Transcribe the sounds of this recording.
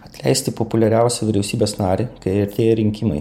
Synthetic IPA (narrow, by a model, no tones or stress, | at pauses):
ɐt̪ʲlʲɛ̰ɪst̪ʲɪpopʊlʲɛɾʲæˑʊsʲɛʋʲɪɾʲɛʊsʲiːbʲeːsnɑːɾʲekɐɪɛɾʲt̪ʲeːjɛɾʲɪŋʲkʲɪmɐ̰ɪ